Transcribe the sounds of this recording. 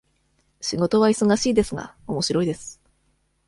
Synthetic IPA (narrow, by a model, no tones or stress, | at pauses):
ɕiɡo̞t̪o̞βaiso̞ɡaɕiːd̪e̞sɨɡa̰o̞mo̞ɕiɾo̞id̪e̞sɨ̥